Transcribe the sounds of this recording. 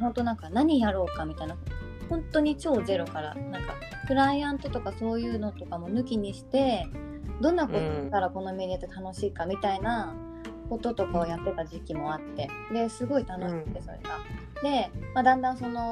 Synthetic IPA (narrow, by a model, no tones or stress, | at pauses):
ɦõ̞nt̪o̞nãŋkanaɲ̟ijaɾo̞ːkamʲit̪aina | hõ̞nt̪o̞ɲ̟it͡ɕo̞ːze̞ɾo̞kaɾa̰nãŋka̰ | pɯ̟ɾaiãnt̪o̞t̪o̞kaso̞ːjɯ̟ːno̞t̪o̞kamo̞nɯ̟kʲiɲ̟iɕi̥t̪e̞ | d̪õ̞nːakokaɾako̞no̞me̞ɾʲiat̪e̞t̪ano̞ɕiːkamʲit̪aina | ko̞t̪o̞t̪o̞kao̞jat̪ːe̞t̪aʑikʲimo̞at̪ːe̞ | d̪e̞sɨɡo̞it̪ano̞ɕi̥kɯ̥t̪ːe̞so̞ɾe̞̰ɡa | d̪e̞mad̪ãnd̪ãɰ̃so̞no̞